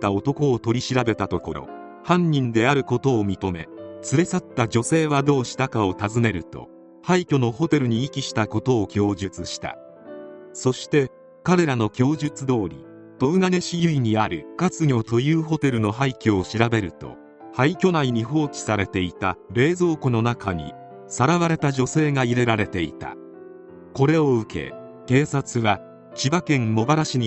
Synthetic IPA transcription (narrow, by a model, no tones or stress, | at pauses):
t̪ao̞t̪o̞ko̞ːt̪o̞ɾʲiɕiɾabe̞t̪at̪o̞ko̞ɾo̞̰ | hãɲ̟ːĩnd̪e̞aɾɯ̟ko̞t̪o̞ːmʲit̪o̞me̞̰t͡sɨɾe̞sat̪ːad͡ʑo̞se̞ːβad̪o̞ːɕi̥t̪akao̞t̪azɨne̞ɾɯ̟t̪o̞̰ | haikʲo̞no̞ho̞t̪e̞ɾɯ̟ɲ̟iːkʲiɕi̥t̪ako̞t̪o̞ːkʲo̞ːʑɨt͡sɨɕi̥t̪a̰ | so̞ɕi̥t̪e̞ | kaɾe̞ɾano̞kʲo̞ːʑɨt͡sɨd̪o̞ːɾʲḭ | t̪o̞ɯ̟ɡane̞ɕijɯ̟iɲ̟iaɾɯ̟kat͡sɨɲʲo̞t̪o̞jɯːɦo̞t̪e̞ɾɯ̟no̞ɦaikʲioɕiɾabe̞ɾɯ̟t̪o̞̰ | haikʲo̞naiɲ̟iɦo̞ːt͡ɕi̥saɾe̞t̪e̞it̪aɾe̞ːzo̞ːkono̞nakaɲ̟ḭ | saɾaβaɾe̞t̪aʑo̞se̞ːŋaiɾe̞ɾaɾe̞t̪e̞ḭt̪a̰ | ko̞ɾe̞oɯ̟kʰe̞̰ | ke̞ːsat͡sɨβa | t͡ɕibakẽ̞mmo̞baɾaɕiɲi